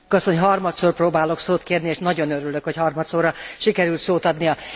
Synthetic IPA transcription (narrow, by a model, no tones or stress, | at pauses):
kɒsoɲɦɒrmɒt̪soːrproːbaːlo̞ksoːt̪keːrnieːʃnɒɟo̞nøɾylø̞khochɒrmɒt̪soːɾɒʃikɛɾylt̪soːt̪ɒd̪nijɒ